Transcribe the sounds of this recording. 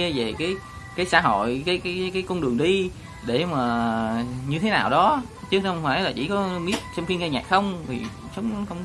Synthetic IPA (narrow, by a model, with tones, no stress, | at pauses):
ɛ˧ve˨˩kaː˨˦j | kaː˨˦jsa̰ː˧˩ɦo̰˧˨jkaː˨˦jkaː˨˦˨kaː˨˦jkɔ˧ŋ͡mɗɨ˨˩əŋɗi˧ | ɗe˧˩maː˨˩ | ɲɨ˧t̪ʰe˨˦naː˨˩wɗɔ˨˦ | t͡ɕɨ˦˥k̚ʰə˧wŋ͡mfa̰ː˧˩˦jlaː˨˩t͡ɕḭ˧˩kɔ˨˦ɓi˦˥ət̚t͡ɕɔ˧ŋ͡mxi˧nŋkaː˧ɲa̰ː˨˩k̚xə˧wŋ͡mvʰḭ˨˩ | xə˨˦wŋ͡mxə˧wŋ͡m